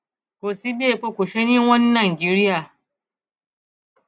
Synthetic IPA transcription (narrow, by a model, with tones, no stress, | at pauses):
kʷoː˨si˦beː˦˨ɸɐ˦kʷʊ˨ʃɐ˦ni˦ŋwɐ˦nːɐ˨ŋɡʲɪ˦ɽɪ˦jaː˨